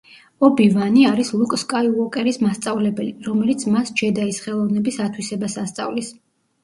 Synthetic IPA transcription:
ɔbivaniaɾislˠukʼskʼaiɔkʼɛɾismast̪sʼavlɛbɛliɾɔmɛlit̪sʰmasd͡ʒɛd̪aisχɛlˠɔvnɛbisat̪ʰwisɛbasast̪sʼa̰vlis

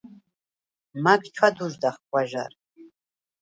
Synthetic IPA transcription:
maɡt͡ʃʰad̪uʒd̪aχkʷʼaʒa̰r

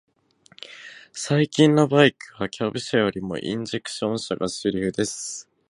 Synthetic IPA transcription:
saikʲĩnːobaikɯ̟βakʲʰabɯ̟ɕajo̞ɾʲimo̞̰ʔḭ̃ɲ̟d͡ʑe̞kɯ̟̥ɕõ̞ɰ̃ɕaɡasɨɾʲiɯd̪e̞sɨ̥

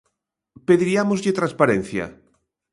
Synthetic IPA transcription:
peðiɾiamozʎɪt̪ɾãnspaɾɛn̟θjɐ̰

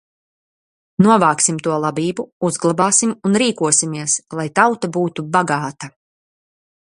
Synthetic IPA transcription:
nuɔvaːksimt̪uɔlˠabiːbuuzɡlˠabaːsimunɾiːkuɔsimiɛslˠajt̪awt̪abuːt̪ubaɡaːt̪a

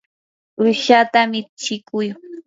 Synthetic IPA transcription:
ʊʃat̪amɪt͡ʃɪkʊj

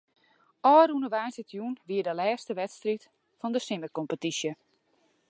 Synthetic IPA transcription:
ʔɔːrunəʋajnsətjunʋiːədəlɛːstəʋɛtstrit | fɔndəsɪmərkompətisjə

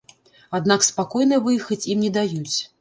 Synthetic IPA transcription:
ad̪nakspakɔjnɨvɨjxɐt͡sʲimnʲɛd̪ajut͡sʲ

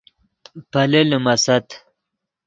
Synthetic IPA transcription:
pɐlelmɐsɐt̪

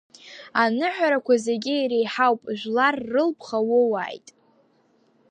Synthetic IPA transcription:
anɨħʷᶣaɾakʷazeɡʲɪjɾejħawpʼʒᶣʷlarːɨlpʰχawʊwa̰ːjtʼ

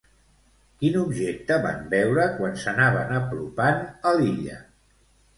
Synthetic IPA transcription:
kinubʒek̚t̪əβa̰mbɛwɾəkwansənaβ̞ənəplupanəliʎə̰

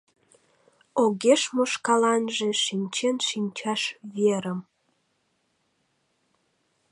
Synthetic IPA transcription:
oɣeʃmoʃkɑlɑnʒeʃinʲt͡ɕenʃinʲt͡ɕɑʃβeɾəm

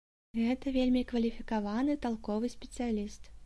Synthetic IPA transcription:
ɣɛt̪ɐvʲelʲmʲikvɐlʲifʲikavanɨt̪alˠkɔvɨsʲpʲɛ̥t̪sɨjalʲist̪

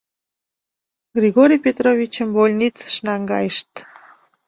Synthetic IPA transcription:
ɡrʲiɣoɾʲijpʲet̪rovʲit͡ɕəmbolʲnʲit͡sə̥ʃnɑŋɡɑ̰jəʃt̪

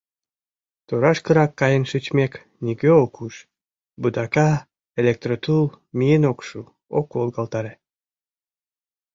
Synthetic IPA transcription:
t̪oɾɑʃkəɾɑkːɑjənʃyt͡ɕmek | nʲiɡøokuʃ | bud̪ɑkɑ | elʲek̚t̪rot̪ul | mienokʃu | o̰kːolɣɑlt̪ɑɾe

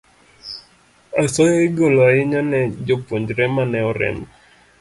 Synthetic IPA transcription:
asɔjɔiɡolaiɲɔnɛd͡ʒɔpuɲd͡ʒɾɛmanɛɔɾɛ̰m

